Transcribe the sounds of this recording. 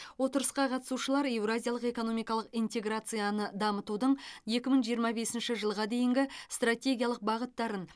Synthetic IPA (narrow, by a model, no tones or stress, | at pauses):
wo̞t̪əɾəsqɑqʰɑt̪ə̥suʃəlˠɑɾe̞vɾoazʲijalˠəqe̞ko̞no̞mijkɑlˠəqijnt̪e̞ɡrat̪sɨjanəd̪ɑmət̪ud̪əɴje̞kʲɪməɴʒijəɾmɑbe̞sɪnʃɪʒəlˠʁɑd̪e̞jɪŋɡʲɪst̪ratʲe̞ɡʲijalˠəq̚bɑʁət̪ːɑɾən